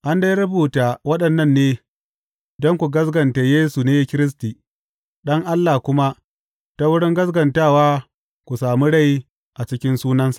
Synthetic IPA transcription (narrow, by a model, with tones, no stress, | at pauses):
ʔa˦nda˦jɾʊ˦buː˨taː˨wɐ˦ɗɐ˨nːɐ˦nːeː˦ | dɔ˦ŋkʷu˨ɡɐ˦sɡɐ˨nta˨jeː˦su˨neː˦kʲɪ˦ɾɪ˦s̬tiː˨ | ɗɐ˦ŋʔa˦lːa˨kʷʊ˦ma˦ | ta˦wʊ˦ɽɪ˦ŋɡɐ˦s̬ɡɐ˨ntaː˦˨waː˦ | kʷu˨saː˨mi˦ɽa˦˨ji˦ | ʔa˨t͡ʃɪ˦kʲɪ˦nsuː˦nɐ˦nsḁ˨ʔ